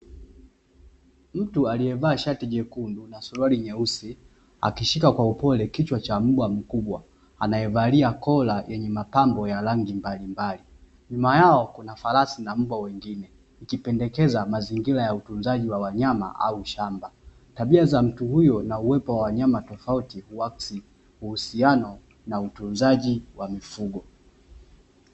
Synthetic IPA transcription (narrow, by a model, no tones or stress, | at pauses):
m̩tualiɛvaːʃatiʄɛkundunasuluwaliɲɛusi | a̰kiʃikakwaupɔlɛkit͡ʃwat͡ʃam̩ɓwam̩kuɓwa | a̰najɛvaliakɔlajʔɛɲɛmapambɔjalaŋɡimbalimbali | ɲumajaɔkunafalasinam̩ɓwawɛŋɡinɛ | ikipɛndɛkɛzamaziŋɡiɾajautunzaʄiwawaɲama̰ʔa̰uʃamba | taɓiazam̩tuhujɔnauwɛpɔwawaɲamatɔfautihuasi | huhusianɔ | nautunzaʄiwamifuɡɔ